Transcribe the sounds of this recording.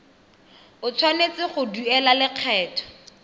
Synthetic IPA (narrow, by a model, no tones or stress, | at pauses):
ʊt͡sʰwanet͡sɪχʊduɛlalɪq͡χʰɛːtʰɔ̥